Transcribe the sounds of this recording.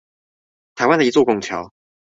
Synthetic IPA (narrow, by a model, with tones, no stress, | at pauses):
t̪ʰa˧˥ɪwa˥nd̪ə˨i˧t͡swɔ˥˧˩kʊ˥˩ŋt͡ɕʰjɑ˨˦ʊ